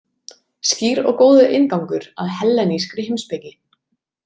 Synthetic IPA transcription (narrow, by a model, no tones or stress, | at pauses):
sciːɾɔ̰ɣkoːwðʏʔɪnkawŋkʏɾaðhɛlːɛniskɾɪhɪmspɪcɪ